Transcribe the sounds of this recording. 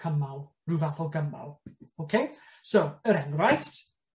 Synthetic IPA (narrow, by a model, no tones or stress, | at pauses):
kʰəmalˠ | ruvaθɔɡəma̰lˠowkʰej | sowəɾɛŋrajθt